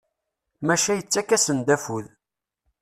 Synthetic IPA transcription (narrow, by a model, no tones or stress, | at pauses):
mæʃæjət͡sːækːæsənd̪æfuð